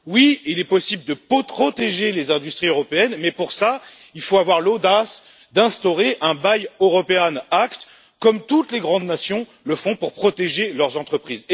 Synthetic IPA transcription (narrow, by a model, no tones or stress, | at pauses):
wiilɛpɔsibləd̪əpɔχɔt̪eʒelezɛ̃d̪yst̪χiøʁɔpeɛnmɛpuʁsa | ilfoavwaʁlod̪as | d̪ɛ̃st̪ɔʁeʔɛ̃bajøʁɔpeanakt̪ | kɔmt̪ut̪leɡʁɑ̃d̪nasjɔ̃ | ləfɔ̃puʁpχɔt̪eʒelœʁzɑ̃t̪χəpχiz